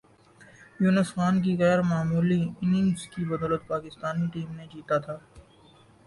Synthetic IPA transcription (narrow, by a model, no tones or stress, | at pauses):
juːnəsxaːnk̬iɣɛːɾmaːmuːliɪnɪŋskibɐd̪ɔːlət̪̚paːkɪst̪aːniʈiːmned͡ʒiːt̪at̪ʰaː